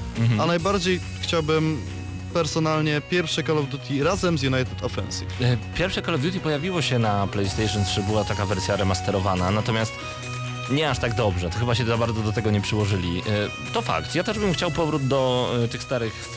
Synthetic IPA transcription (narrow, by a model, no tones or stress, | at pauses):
anajbaɾd͡ʑej | xt͡ɕawbɘm | pɛɾsɔnalɲɛpʲjɛɾfʂɛkɔlɔvd̪jut̪ʰʲiɾazɛmzjunajt̪ɛt̪ɔfɛ̰nsḭfpʲjɛɾfʂɛkɔlɔvd̪jut̪̬ʲipɔjavʲiwɔɕɛnaplɛjst̪ɛjʂɔnt̪ʂɘbɘwat̪akavɛɾsʲjaɾɛmast̪ɛɾɔvananat̪ɔmʲjast̪ | ɲɛaʂt̪aɡd̪ɔbʐɛt̪ɔxɘbaɕɛzabaɾd̪zɔd̪ɔt̪ɛɡɔɲɛpʂɘwɔʐɘlʲi | t̪ɔfa̰kt̪jat̪ɛʐbɘmxt͡ɕawpɔvɾud̪d̪ɔt̪ɘxst̪aɾɘx